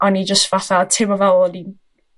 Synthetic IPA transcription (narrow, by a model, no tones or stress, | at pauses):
ɔnid͡ʒəstvaɬatʰɪmɔvɛlːɔdin